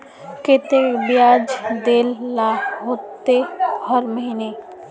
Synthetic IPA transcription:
ket̪ebijaːd͡ʒd̪eːlːaɦot̪ːehəɾməɦine

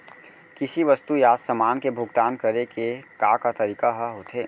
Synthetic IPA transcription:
kɪsiʋɐst̪ujaːsəmaːnkebʱʊɡt̪aːnkɐɾekekakat̪ɐɾiːkaɦɐɦot̪ʰeː

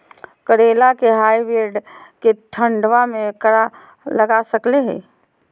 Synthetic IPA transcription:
kəɽeːlakeɦaːiʋeɾɖkeʈʰə̃ɳɖʋamẽkəɽa | lɐɡasəkleɦɛ̰̃ː

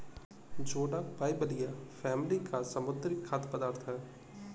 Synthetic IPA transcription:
d͡ʒoːɖapaːibəlijafʰɛːmlikasɐmʊd̪ɾɪkʰːat̪ʰpəd̪aːɾt̪ʰɦɛː

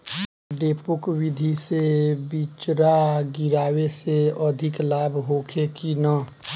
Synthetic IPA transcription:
ɖeːpʊkwɪd̪ʱisebit͡ʃɾaɡiɾaːweseəd̪ʱɪklaːbʱɦoːkʰekina

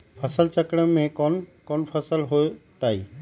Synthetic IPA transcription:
pʰəsəlt͡ʃəkɽəmẽkɔnkonpʰəsəlɦot̪aːḭː

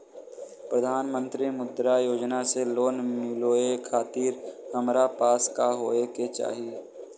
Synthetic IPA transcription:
pɾəd̪ʱaːnmə̃nt̪ɾimʊd̪ɾajoːd͡ʒnaseloːnmɪloːekʰaːt̪iːɾhəmɾapaːskaɦoːeket͡ʃa̰ːɦie

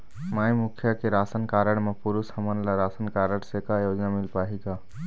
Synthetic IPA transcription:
maːjmukʰjəkeɾasənkaɾəɽ̃mepʊɾushəmənlaɾasənkaɾəɽ̃sekajoːd͡ʒnamɪlpaːɦiɡa

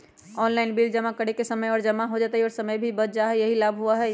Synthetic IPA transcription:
ɔːnlaɪnbild͡ʒəmakəɽekesəməjɔːɾd͡ʒəmaɦod͡ʒat̪əiɔːɾsəməjbʱibət͡ʃd͡ʒaɦɛjəɦilabʱɦuaɦɛ

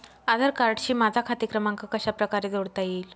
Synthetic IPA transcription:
ad̪ʱəɾkaɾʈɕiːmad͡zʱakʰat̪ikɾəmaŋkakəɕapɾəkaɾed͡zoɽt̪ajiːl

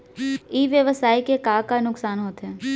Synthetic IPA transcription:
iːʋjəʋəsaːikekaːkanʊksaːnɦoːt̪ɦɛː

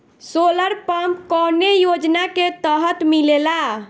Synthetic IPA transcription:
soləɾpəmpkɔnejod͡ʒnaket̪əɦət̪milela

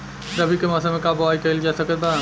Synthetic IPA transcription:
ɾəbʱikemasamekabaikəild͡ʒasəkət̪̚ba

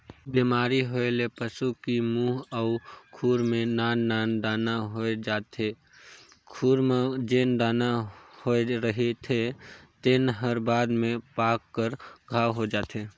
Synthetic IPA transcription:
biːmaːɾiɦoelepəsukimuːɦəʊkʰuːɾmẽnaːnːaːnɖaːnaɦoed͡ʒaːt̪ʰe | kʰuːɾmed͡ʒenɖaːnahoeɾəɦet̪ʰet̪ɪnɦəɾbaːd̪mẽpaːkːəɾɡʱaːwɦod͡ʒaːt̪eː

